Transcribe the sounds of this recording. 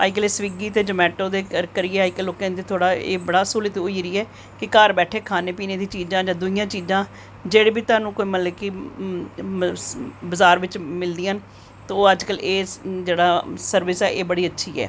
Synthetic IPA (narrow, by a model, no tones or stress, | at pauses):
a̰ːikəleːsʋiːɡiːt̪eːd͡ʒəmɛːʈõːd̪eːkəɾkəɾɪeːaːikəloːkẽːd̪eːt̪ʰoːɽaːḛːbəɽaːsuːlət̪ʊiːɾiːɛː | kɪkaɾbɛːʈʰeːkʰaːneːpiːneːd̪ĩːt͡ʃiːd͡ʒãːd͡ʒãːd̪ʊɪjãːt͡ʃiːzãː | d͡ʒeːɽeːbiːt̪ʊaːnũːkoːiːmələkiː | bəzaːɾʋɪt͡ʃmɪld̪ɪjãːn | t̪ooːəd͡ʒkəleːd͡ʒeːɽaːsəɾʋɪsɛːʔeːbəɽiːətːʃʰḭːɛ̰ː